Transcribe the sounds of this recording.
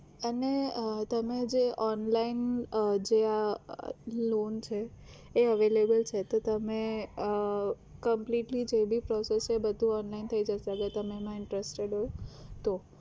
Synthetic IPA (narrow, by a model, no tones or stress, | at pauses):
ənet̪əmed͡ʒeʔɔnlaind͡ʒea | lont͡ʃʰeː | əʋelebəlt͡ʃʰet̪ot̪əme | kəmpliʈlid͡ʒebʱipɾɔsesebəd̪ʱũɔnlaint̪ʰəid͡ʒəʃaəɡəɾt̪əmemãɪɳʈɾəsʈeɖot̪o